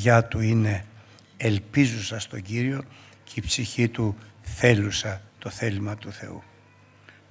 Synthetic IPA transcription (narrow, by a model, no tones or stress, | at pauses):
ʝɐt̪uine̞ː | lpizusɐst̪o̞ɟiɾio̞ceipsiçit̪uθe̞lusɐt̪o̞θe̞limɐt̪uθe̞̰ṵ